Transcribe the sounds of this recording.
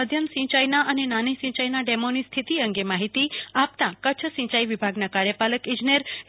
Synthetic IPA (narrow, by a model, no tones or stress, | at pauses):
əd̪ʱjəmsĩt͡ʃajnaʔənenanisĩt͡ʃajnaɖemonist̪ʰit̪iəŋɡemaɦit̪iap̚t̪ãkət͡ʃʰəsĩt͡ʃaiʋibʱaɡnakaɾjəpaləkĩd͡ʒneɾ